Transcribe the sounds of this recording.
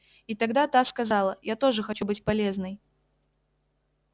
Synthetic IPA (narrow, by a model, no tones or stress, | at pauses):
it̪ɐɡd̪at̪askɐzalˠəjat̪o̞ʐɨxɐt͡ɕubɨtʲpɐlʲeznɨj